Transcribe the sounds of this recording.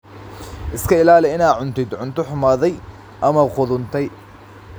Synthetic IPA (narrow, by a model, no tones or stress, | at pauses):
ʔɪskʰɐɪlaːlɛɪnaːʕʊnt̪ʰɪd̪ʕʊnt̪ʰʊħʊmaːðɛj | ʔɐmɐqʊðʊnt̪ʰɛj